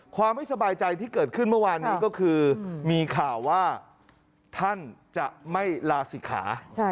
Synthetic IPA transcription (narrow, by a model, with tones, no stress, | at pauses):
kʰwaː˧mːa˥˩jsa˧baː˧jt͡ɕa˧jt̪ʰiː˥˩kɤː˨˩t̪̚kʰɯ˥˩nmɯ˥˩waː˧nːiː˦˥kɔː˥˩kʰɯː˧miː˧kʰaː˨˩wːaː˥˩ | t̪ʰa˥˩nt͡ɕa˨˩ʔma˥˩jlaː˧siː˩˦kʰa̰ː˩˦˥